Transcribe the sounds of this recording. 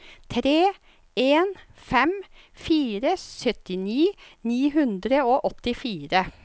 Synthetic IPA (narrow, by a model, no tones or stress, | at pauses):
t̪ʰɾeː | eːnfɛm | fiːɾəsœt̪ɪniːniːɦʉnd̪ɾəoːʔɔt̪ɪfiːɾə